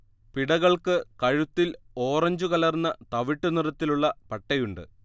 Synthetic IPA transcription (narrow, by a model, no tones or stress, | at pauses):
piɽɐɣɐɭkɨkɐɻut̪ːilo̞ːrɐɲd͡ʑukɐlɐrnːɐt̪ɐʋiʈːunirɐt̪ːiluɭːɐpɐʈːɐjuɳɖɨ̰